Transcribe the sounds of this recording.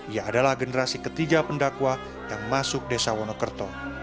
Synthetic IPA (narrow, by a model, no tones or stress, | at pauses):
ijaːdalahɡənəɾasikət̪iɡapəndakwa | jaŋmasʊk̚desawɔnɔkərt̪ɔ